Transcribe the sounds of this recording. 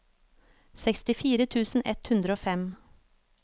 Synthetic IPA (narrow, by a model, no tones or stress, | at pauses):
sɛkst̪ɪfiːɾət̪ʰʉːsn̩ɛ̰t̪hʉnd̪ɾəoːfɛm